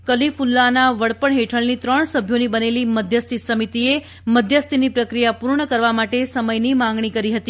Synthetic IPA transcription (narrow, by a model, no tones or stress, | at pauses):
kəlifulːanaʋəɽpəɳɦeʈʰəɭnit̪ɾəɳsəbʱjonibəneliməd̪ʱjəst̪ʰisəmit̪ie | məd̪ʱjəst̪ʰinipɾəkɾijapuɾɳəkəɾʋamaʈesəməjnimãŋɡɳ̃ikəɾiɦət̪i